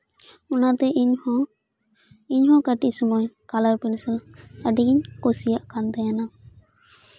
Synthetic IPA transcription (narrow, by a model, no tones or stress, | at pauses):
unat̪ɛɲ | iɲɦɔ̃kaʈiʔsumɔjkalaɾpinsɛlaɖiɡiɲkosijaʔkant̪ɛjana